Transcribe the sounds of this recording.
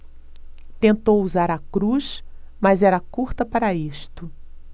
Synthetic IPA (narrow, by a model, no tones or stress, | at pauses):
t̪ẽnt̪owuzaɾɐkɾuʃmɐzɛɾɐkuɾt̪ɐpaɾɐiʃt̪ʊ